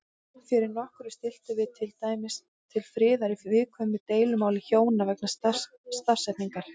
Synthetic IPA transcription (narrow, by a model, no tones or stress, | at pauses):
fjɪɾɪɾnɔhkɾʏ̥st̪ɪl̥t̪ʏvɪt̪ʰɪlt̪ajmɪs | t̪ʰːɪlfɾɪːðaɾivɪðkʰvœːmɪt̪eːjlʏmaːwlɪçoːwnavɛknas | st̪ar̥sɛt̪niŋkaɾ̥